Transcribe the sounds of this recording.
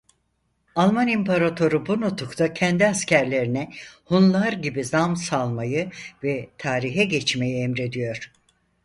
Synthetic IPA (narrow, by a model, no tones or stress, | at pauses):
alˠmanimpʰaɾat̪ʰo̞ɾubunut̪ʰukt̪ʰacʰɛnd̪iascʰæɾlʲe̞ɾinɛhunlˠaɾɟibizamsalˠmajɯvɛt̪ʰaːɾiɦɛɟɛt͡ʃme̞jiɛmɾe̞d̪ijo̞ɾ̥